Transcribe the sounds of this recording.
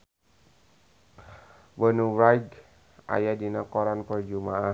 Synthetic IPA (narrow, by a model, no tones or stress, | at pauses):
bənuwajɡ | ʔa̰jadinakɔɾanpərd͡ʒumaa